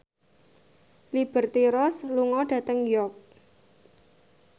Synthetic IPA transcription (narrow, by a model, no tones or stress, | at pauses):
lib̥ə̤rt̪iɾɔsluŋɔɖ̥ä̤t̪əŋjɔk̚